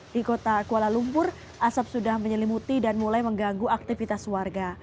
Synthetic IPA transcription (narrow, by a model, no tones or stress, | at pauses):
d̥ikot̪akualalumpʊr | ʔasap̚sudahməɲəlimut̪idanmulajməŋɡaŋɡuak̚t̪ifit̪aswarɡa